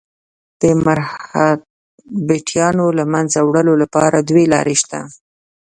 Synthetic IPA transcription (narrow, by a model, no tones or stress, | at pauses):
d̪̥əmaɾha | beʈʰjɑnolamanzawɽəlolapɑɾad̪welɑ̰ɾʔeʃt̪a̰